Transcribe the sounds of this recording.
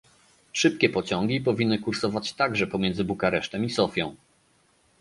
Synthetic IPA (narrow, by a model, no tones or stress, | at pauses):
ʂɘp̚kʲɛpɔt͡ɕɔ̃ŋɡʲipɔvʲinːɘkuɾsɔvat͡ɕt̪aɡʐɛpɔmʲjɛnd̪zɘbukaɾɛʂt̪ɛmisɔfʲjɔ̃w̃